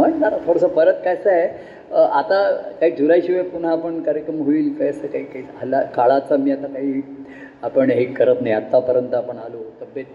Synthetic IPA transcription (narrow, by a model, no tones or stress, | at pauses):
m̤əɳnat̪at̪ʰoɽəsəpəɾət̪kajsae | ʔat̪akaɦiːd͡zʱuɾajɕiʋəpuɳ̤aːpəɳkaɾjəkɾəmɦoiːlkajsəkaɦiːkaisalakaɭat͡samiːat̪akaɦiː | apəɳɦekəɾət̪najat̪ːapəɾənt̪əapəɳalot̪əbjət̪̚